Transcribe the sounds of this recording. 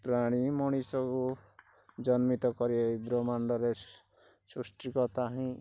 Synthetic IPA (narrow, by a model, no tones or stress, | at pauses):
pɾaɽ̃imɔ̃isɔku | d͡ʒɔnmit̪ɔkɔɾieibɾɔmaɳɖɔɾe | susʈikɔt̪aɦĩ